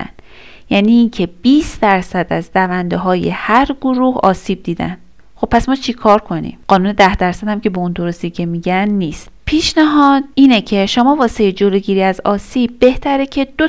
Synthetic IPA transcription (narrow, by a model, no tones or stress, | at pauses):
æ̰n | jæːniːncʰe̞b̥iːsd̪̥æɾsæd̪æzɾævænd̪eɦɒːje̞̰hæɾɡoɾuhɒ̰ːsiːb̚d̪iːd̪æ̰n | χo̞b̚pːæsmɒːt͡ʃʰikʰɒːɾkʰo̞nḭmɢɒːnuːne̞d̪æhd̪æɾsæd̪hæmce̞beund̪o̞ɾo̞st̪iːcʰe̞miɟænːiːst̪pʰiːʃnæɦɒːd̪̥iːnecʰe̞ʃomɒːvɒːsejed͡ʒoloːɟiːɾiːæzɒːsiːb̚ːe̞ht̪ʰæɾecʰe̞d̪̥o